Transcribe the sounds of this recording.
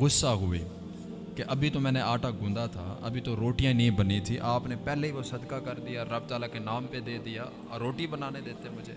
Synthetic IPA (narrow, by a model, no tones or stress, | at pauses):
ɣʊsːaːɦʊʋḛː | keʔəbʱiːt̪oːmɛ̃ːneːaːʈaːɡũːnd̪aːt̪ʰa̰ːə̰bʱiːt̪oːɾoːʈijãːnĩːbəniːt̪ʰiːʔaːpneːpɛːleːiːʋoːsəd̪kaːkəɾd̪ɪjaːɾəb̚t̪aːlaːkenaːmped̪eːd̪ɪjaː | ɾoːʈibənaːneːd̪eːt̪emʊd͡ʒʱḛː